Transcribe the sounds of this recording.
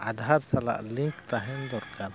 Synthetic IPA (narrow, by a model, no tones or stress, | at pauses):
a̰d̪ɦaɾsala̰ʔliŋkt̪aɦind̪ɔɾkaɾ